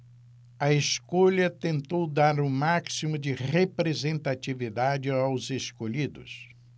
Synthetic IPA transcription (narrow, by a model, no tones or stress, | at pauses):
ɐeskoʎɐt̪ẽnt̪owd̪aɾʊmaksimʊd͡ʒɪʁepɾezẽnt̪at͡ʃivid̪ad͡ʒɪawzeskoʎid̪ʊ̰s